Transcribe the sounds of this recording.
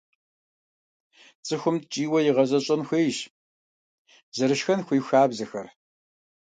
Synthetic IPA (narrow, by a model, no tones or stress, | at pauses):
t͡sʼɨxʷʊmtt͡ʃʼiːwɐjɪʁɐzɐɕʼɐmxʷeːjʃ | zɐɾɨʃxɐnxʷijxaːbzɨxɐr